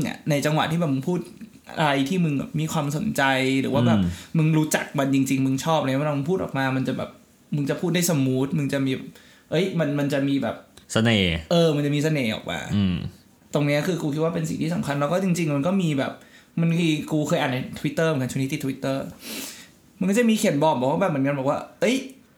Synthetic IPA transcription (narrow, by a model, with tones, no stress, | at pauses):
ŋʔa̰˨˩na˧jt͡ɕa˧ŋwa˨˩t̪ʰiː˥˩bɛː˨˩mɯ˧mpʰuː˥˩t̪̚ | ʔaa˧ɾa˧jt̪ʰiː˥˩mɯ˧ŋbɛ̰ː˨˩p̚miː˧kʰwaː˧mso˨˩˦nt͡ɕa˧jɾɯː˩˦waː˥˩bɛː˨˩mɯ˧ŋɾuː˦˥t͡ɕa˨˩k̚ma˧nt͡ɕi˧ŋt͡ɕi˧ŋmɯ˧ŋt͡ɕʰɔː˥˩p̚ʔa˧˥˧mɯ˧pʰu˥˩ʔɔː˨˩k̚maː˧ma˧nt͡ɕa˨˩bɛ̰ː˨˩p̚ | mɯ˧ŋt͡ɕa˨˩pʰuː˥˩da˥˩sa˧mːuː˦˥t̪̚mɯ˧ŋt͡ɕa˨˩ʔmiː˧bɛ̰ː˨˩p̚ | ʔɤ˦˥jma˧nma˧nt͡ɕa˨˩ʔmiː˧bɛ̰ː˨˩p̚sa˧neː˨˩ʔɤː˧ma˧nt͡ɕa˨˩miː˧sa˧neː˨˩ʔɔ̰ː˨˩k̚ma̰ː˧˩ | t̪o˧ŋni˦˥ɐkʰɯː˧kuː˧kʰi˦˥waː˥˩pe˧nsi˨˩ŋt̪ʰiː˥˩sa˨˩˦mkʰa˧nlɛ˧˦˥wkɔː˥˩t͡ɕi˧ŋt͡ɕi˧ŋma˧nkɔː˥˩miː˧bɛ̰ː˨˩p̚ma˧nkʰɯː˧kuː˧kʰɤː˧jʔaː˨˩na˧˩t̪ʰwi˦˥t̪ːɤː˥˩m˨˩˦kt͡ɕu˥˧˦iː˧˩t̪ʰːi˦˥t̪ːɤː˥˩ | ma˧nkɔ˥˩t͡ɕa˨˩miː˧kʰi˨˩˦nbɔː˨˩bɛː˨˩k̚waː˥˩bɛː˨˩mɯ˩˦nka˧bɛ˨˩kwaː˥˩ʔɤ˦˥j